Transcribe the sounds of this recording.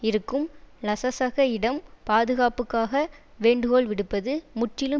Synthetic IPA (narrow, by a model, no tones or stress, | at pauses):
ɪɾɯkːɯmlɐsɐsɐɣɐɪɽɐmpaːðɯɣaːpɯkːaːɣɐ | ʋeːɳɖɯɣoːlʋɪɽɯpːɐðɯmʊʈːrɪlɯ